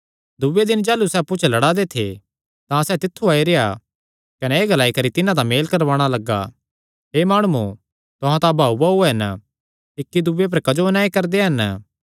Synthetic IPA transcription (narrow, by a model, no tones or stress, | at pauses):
d̪ʊʋed̪ɪnd͡ʒaːlusɛːpʊt͡ʃʰlɐɽaːd̪et̪ʰḛ | t̪ãsɛːt̪ɪt̪ʰːuaːiɾea̰ | kɐnɛːɡɐlaːikɐɾit̪ɪnãt̪ameːlkɐɾʋaːɽ̃alɐɡːa̰ | ɦeːmaːɽ̃ʊu | t̪ʊɦãt̪ãbʱaːubauɛɦɐn | ɪkːid̪ʊːep̬ɐɾkɐd͡ʒoənaːikɐɾd̪eɦɐn